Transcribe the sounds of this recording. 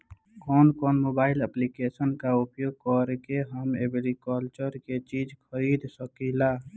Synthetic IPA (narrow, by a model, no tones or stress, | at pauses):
kɔːnkɔːnmoːbaːɪləplikesənkaʊpjoːɡ̚kɔɾkeɦəmḛbɾikɔːlt͡ʃəɾket͡ʃiːd͡ʒkʰəɾiːd̪səkila